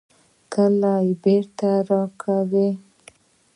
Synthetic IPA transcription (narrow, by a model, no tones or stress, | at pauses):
kʰəlajebeɾt̪aɾɑkʰawe